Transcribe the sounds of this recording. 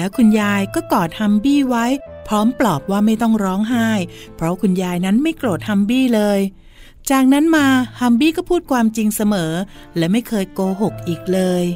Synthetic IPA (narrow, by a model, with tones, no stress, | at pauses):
lɛː˦˥wkʰu˧njaː˧jkɔː˥˩kɔː˨˩t̪̚ha˧mbiː˥˩wa˦˥jpʰɾɔː˦˥mplɔː˨˩p̚waː˥˩ma˥˩jt̪ɔ˥˩ŋɾɔː˦˥ŋɦaː˥˩j | pʰɾɔ˦˥kʰu˧njaː˧jna˦˥nma˥˩jkloː˨˩t̪̚hʰa˧mbiː˥˩lɤː˧j | t͡ɕaː˨˩k̚na˦˥nmaː˧ha˧mbiː˥˩kɔː˥˩pʰuː˥˩t̪̚kʰwaː˧mt͡ɕi˧ŋsa˧mɤː˩˦ | lɛː˦˥wma˥˩jkʰɤː˧jkoː˧ɦo˨˩k̚ʔiː˨˩k̚lɤː˧j